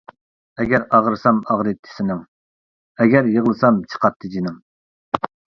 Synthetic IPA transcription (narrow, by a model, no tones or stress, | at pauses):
ɛɡʲɛɾɑʁəɾsɑmɑʁɾɨt̪ʰːɪ̥sɪnɨŋ | ɛɡʲæɾjəʁlˠɨsɑmt͡ʃʰə̥qɑt̪ʰːɨd͡ʒinɨŋ